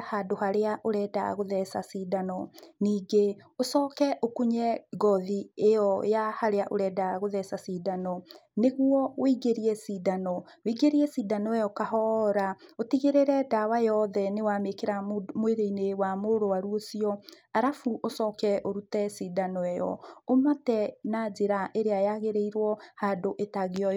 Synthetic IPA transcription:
hadoɦaɾeaʔoɾɛːda̰ɣoðɛsasidanɔniːɡeosɔkɛʔokuɲɛɡɔðiejɔjahaɾeaʔoɾɛdaɣoðɛsasidanɔneɣwɔwiɡeɾiɛsidanɔ | wiɡeɾiɛsiːdanɔɛjɔkaɦɔːɾaotiɣeɾeɾɛdawajɔðɛnewamekeɾamoeɾeinewamoɾowaɾuosiɔ | aɾafuʔosɔkɛʔoɾutɛsidanɔɛjɔ̰omatɛnad͡ʑeɾaʔeɾeajaɣeɾeiɾwɔhaːdoʔetaɣeɔ

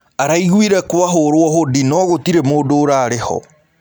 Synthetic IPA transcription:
aɾaiɣwiɾɛkowaɦoɾwɔɦodinɔɣotiɾemoːdoːɾaːɾehɔ̰

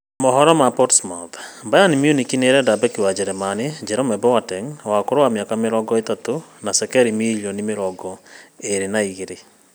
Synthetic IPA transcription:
mɔɦɔɾɔmapɔtsmaðbajanimjunikineɾɛdabɛkewad͡ʒɛɾɛmaned͡ʒɛɾɔmɛbɛwatɛŋwakoɾowamjakameɾɔɡɔetatonasɛkɛɾimiliɔnimeɾɔɡɔeɾenaiɣeɾe

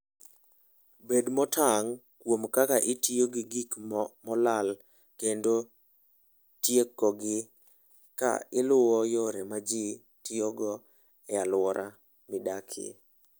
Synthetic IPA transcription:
bedmɔtʰaŋ | kwomkakaʔɪtioɡɪɡikmɔlal | kendo | tjekːɔɡɪ | ka̰ɪlʊwɔjoɾemad͡ʒi | tɪɔɡɔ | ɛalwɔɾʔa | mɪdakʰɪ̰

